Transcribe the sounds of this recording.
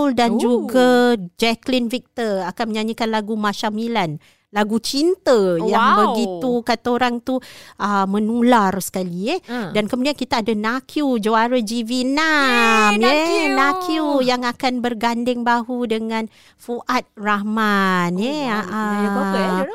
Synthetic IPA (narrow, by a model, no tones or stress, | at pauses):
ldand͡ʒuɡad͡ʒɛklinfik̚t̪əakanməɲaɲikanlaɡumat͡ʃamilan | laɡut͡ʃint̪əjaŋŋbəɡit̪ukat̪aoɾaŋt̪uʔəmənularsə̥kalijɛhdankəmudiankit̪aːdanakjud͡ʒəaɾəd͡ʒivinamjenakʰjujaŋakanbərɡandɪŋbaɦudəŋãn | fuʔat̪̚rahmaneaʔa